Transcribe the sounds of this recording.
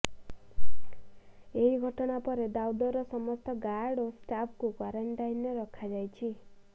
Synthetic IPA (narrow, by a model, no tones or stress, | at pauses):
eɦiɡʱɔʈɽapɔɾed̪awd̪ɔɾɔsɔmɔst̪ɔɡaɽosʈapʰkukwaɾeɳʈajnːeɾɔkʰad͡ʒajt͡ʃʰi